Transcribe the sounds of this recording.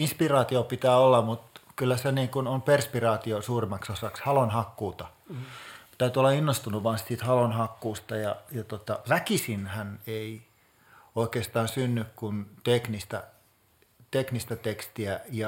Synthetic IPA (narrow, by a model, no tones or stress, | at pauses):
inspirɑːt̪iopit̪æːolːɑmmut̪kylːæseniːŋkunomperspirɑːt̪iosuːrimːˑɑksosɑkshɑlonhɑkːuːt̪ɑ | t̪æyt̪yolːɑinːost̪unuʋʋɑːnssiːt̪hɑlonhɑkːuːst̪ɑjɑjɑt̪ot̪ɑʋækisinhænei | oikeˑːst̪ɑːnsynːykkunt̪eknist̪ɑ̰ | t̪eknist̪ɑt̪ekst̪iæjɑ